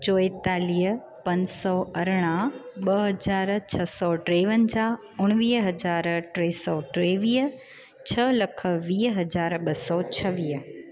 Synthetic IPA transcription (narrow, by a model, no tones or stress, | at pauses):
t͡ɕoːɪt̪aːliːɦə | pɐ̃ɲsɔɐɾɽ̃ãɓɐɦɐd͡ʑaːɾt͡ɕʰɐsɔːʈɾeːʋənd͡ʑaː | ʊɽ̃ʋiːɦɐd͡ʑaːɾʈɾeːsɔʈɾeːʋiːɦə | t͡ɕʰɐlɐkʰə̆ʋiːɦɐd͡ʑaːɾɓɐsɔːt͡ɕʰɐʋiːɦə